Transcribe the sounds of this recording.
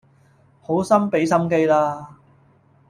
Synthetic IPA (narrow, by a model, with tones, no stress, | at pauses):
ho˨˥wsɐ˥mpe˨˥jsɐ˥mke˥jlaː˧